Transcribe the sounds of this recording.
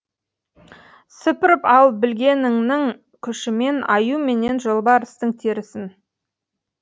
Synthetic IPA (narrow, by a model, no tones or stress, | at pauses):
sʏpɪɾɪpɑlˠbɪlɡʲe̞nɪŋnɪŋ | kʲʰʏʃɪme̞nɑjume̞ne̞nʒolˠbɑɾɪst̪əŋt̪ʰeɾɪsɪn